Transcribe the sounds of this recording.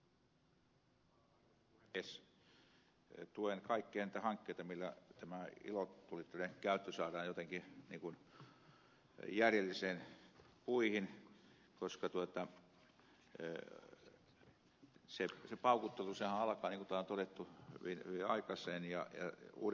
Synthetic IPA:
es | t̪uenkɑikːeɑniːt̪æhɑŋkːeit̪ɑmilːæt̪æmæḭlot̪ulit̪ːænekæyt̪ːøsɑːrɑːnjot̪eŋkiniːŋkun | jærjelːiseːn | puihin | koskɑt̪uot̪ɑ | sesepɑukut̪ːelusehæɑlɑkɑːniŋkut̪æˑont̪otet̪ːuhy̰ʋinhyʋiɑ̰ikɑseːnjɑ̰jɑ̰ṵːɾ

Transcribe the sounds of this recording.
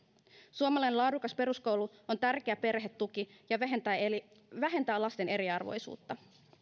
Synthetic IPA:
suomɑlɑjnelɑːdukɑspe̞ɾusko̞wluo̞nt̪ærk̟e̞æpe̞rɦe̞t̪ːuk̟ijɑ | ʋæɦe̞nt̪æːlɑst̪e̞ne̞ɾiɑrʋo̞̰jsṵːt̪ːɑ

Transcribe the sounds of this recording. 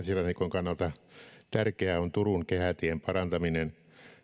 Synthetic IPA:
nsilɑnikoŋkɑnːɑlt̪ɑt̪ærkeæont̪uruŋkehæt̪iempɑrɑnt̪ɑminen

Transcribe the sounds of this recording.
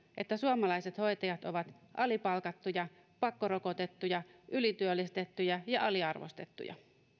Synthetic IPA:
ʔe̞t̪ːæsuomɑlɑiset̪ho̞jt̪ɑjɑt̪o̞ʋɑt̪ʔɑlipɑlkɑt̪ːujɑ | pɑkːoɾoko̞t̪e̞t̪ːujɑʔylit̪yølːist̪et̪ːujɑjɑʔɑliɑrʋo̰st̪e̞̰t̪ːṵjɑ̰

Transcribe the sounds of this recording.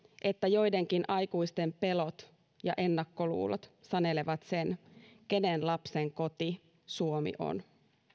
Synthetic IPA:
ʔe̞t̪ːæjo̞jde̞ŋkinʔɑjkujst̪e̞mpe̞lo̞t̪ | jɑʔe̞nːɑkːo̞lṵːlot̪sɑne̞leʋɑt̪se̞nke̞ne̞nlɑpse̞ŋko̞t̪i | suomḭʔo̰n

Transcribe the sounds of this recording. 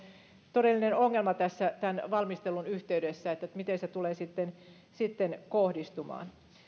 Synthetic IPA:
t̪oɾelːinenoŋːelmɑt̪æsːæt̪ænʋɑlmist̪elunyht̪eydesːæet̪ːæmit̪enset̪uleːsit̪ːen | sit̪ːenkohdist̪umɑ̰ːn

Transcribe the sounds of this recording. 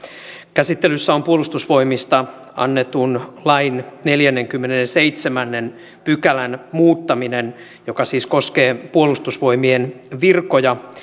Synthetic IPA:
kæsit̪ːelysːæompuolust̪usʋo̞imist̪ɑ | ʔɑ̰nːet̪unlɑinneljænːeŋkymːenenseit̪semænːen | pykælænmuːt̪ːɑminen | jokɑsiːsko̞skeːpuolust̪usʋo̞imienʋirkojɑ

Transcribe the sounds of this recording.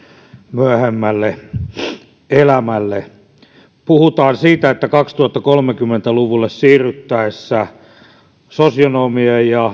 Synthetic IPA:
myæhemːælːe | elæmælːe | puhut̪ɑːnsiːt̪æet̪ːækɑkst̪uɑt̪ːɑkolmekymːent̪æluʋulːessiːryt̪ːæesːæ | sosionomiejjɑ

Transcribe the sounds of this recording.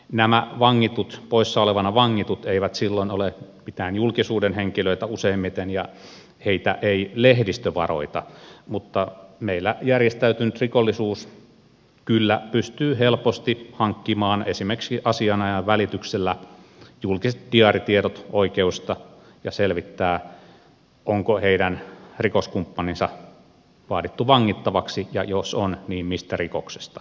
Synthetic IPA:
næmæʋɑŋːit̪ut̪poisːɑoleʋɑnɑʋɑŋːit̪ut̪eiʋæt̪silːoinolepit̪æːnjulkisuːdenheŋkiløit̪æuseimːit̪enjɑ | heit̪æ̰ʔeilehdist̪øʋɑ̰ro̰it̪ɑmut̪ːɑmeilːæjærjest̪æyt̪ynyt̪rikolːisuːs | kylːæpyst̪yːhelpost̪ihɑŋkːimɑːnesimerksiʔɑsiɑnɑjɑʋʋælit̪ykselːæjulkiset̪̚diɑrit̪ieɾot̪oikeust̪ɑ | jɑselʋit̪ːæː | ʔoŋkoheidænrikoskumpːɑninsɑ | ʋɑːdit̪ːuʋɑŋːit̪ːɑʋɑksijɑ̰josonniːmmist̪ærikokse̥st̪ɑ̥

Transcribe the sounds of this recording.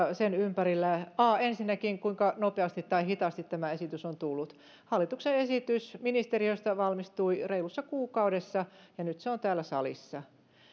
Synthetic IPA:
senympærilːæɑːensinːækiŋkuiŋkɑnopeɑst̪it̪ːɑihit̪ɑst̪it̪t̪ːæmæesit̪ysont̪ulːut̪ | hɑlːit̪ukseesit̪ysminist̪erioist̪ɑʋɑlmist̪uireilusːɑkuːkɑudesːɑjɑnyt̪seont̪æːlːæsɑ̰lḭsːɑ

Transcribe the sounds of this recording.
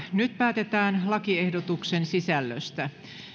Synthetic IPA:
nyt̪pæːt̪et̪æːnlɑkiehdot̪uksensisælːø̰st̪æ

